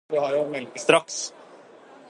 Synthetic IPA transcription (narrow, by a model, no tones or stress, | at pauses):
d̪ʉhɑɾjʊmɛlst̪ɾɑks